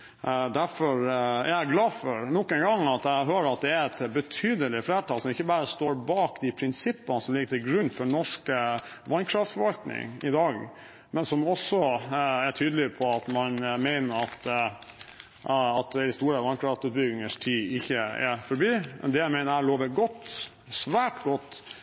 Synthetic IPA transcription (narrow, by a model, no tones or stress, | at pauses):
d̪æɾfɔɾæ̰ɾæɡlɑːfɔɾnɔkːənɡɑŋɑt̪æɦøːɾɑt̪̚d̪ɛæɾɛt̪bət̪ʰyːd̪əlɪfleːʈɑːlsɔmɪçːəbɑːɾəst̪oːɾbɑːkd̪ɪpʰɾɪnsɪpːənəsɔmlɪɡət̪ʰɪlɡɾʉnːfɔɳɔʂkə | ʋɑnkʰɾɑft̪fɔɾʋɑlt̪nɪ̰ŋɪd̪ɑːɡ | mɛnsɔmɔsːɔæʈʰyːd̪əlɪpʰɔɑt̪mɑnmeɪnəɾɑt̪ | ɑt̪d̪ɪst̪uːɾəʋɑnkʰɾɑft̪sʉːt̪̚bʏɡ̪ɪŋəʂt̪ʰiːɪçːəɛ̰fɔɾbiːmʔɛ̰nd̪ɛjæmæɪnəɾæloːʋəɡɔt̪ː | sʋæːʈɡɔt̪ː